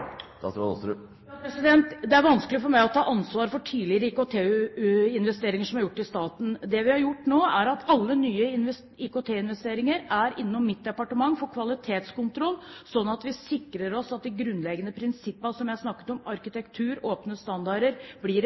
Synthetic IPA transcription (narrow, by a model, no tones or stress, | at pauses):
d̪ɑ̰t̪ɾɑ̰ɔ̰sɾ | pɾɛsɪd̪ɛnt̪d̪ɛæɾʋɑnskəlɪfɔɾmæɪɔt̪ʰɑːʔɑnsʋɑːɾfɔʈʰiːlɪɾəɪːkot̪ʰeːɪnʋɛst̪eːɾɪŋəʂɔmhɑɾjʊʈːɪst̪ɑːt̪n̩d̪ɛʋɪhɑɾjʊʈːnoːʔæɾɑt̪ɑlːənyːəɪn | ikot̪ʰeːɪnʋɛst̪eːɾɪŋəɾæɾɪnːɔmːɪt̪̚d̪ɛpɑʈəmɑŋːfɔɾkʰʋɑlɪt̪ʰeːt̪skʊnt̪ʰɾɔlːsɔnːɑt̪ʋɪsɪkɾəɾɔsɑt̪̚d̪ɪɡɾʉnlɛɡənəpʰɾɪnsɪpːɑsɔmjæhɑsnɑkːə̥t̪ɔmɑɾkɪt̪ɛkt̪ʰʉːɾoːpnəst̪ɑnd̪ɑɾəɾbliɾ